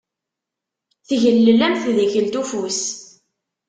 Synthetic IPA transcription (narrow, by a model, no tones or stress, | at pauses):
θʝəlːəlːæmθðəçəlt̪ufus